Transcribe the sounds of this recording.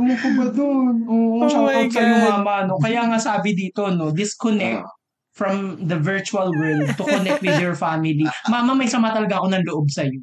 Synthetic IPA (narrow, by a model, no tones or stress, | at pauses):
mukʊbɐd̪onʔoːʔoʃɐpɐɡsɐnʊŋmaːmɐno̞kɐjaŋasaːbɪd̪iːt̪ono̞d̪ɪskɔnɛk̚t̪̚ | fɹɐmd̪ɐvɪɹt͡ʃuɐlwɛld̪̚t̪ʊkɔnɛk̚t̪wɪd̪jɛɹfamɪlimamɐmɐjsɐmaːt̪ɐlɐɡaʔɐko̞nɐnloʔob̚sɐjo